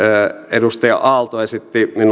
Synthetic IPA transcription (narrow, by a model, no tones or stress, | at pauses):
edust̪ɑjɑ̰ʔɑˑlt̪oesit̪ːimin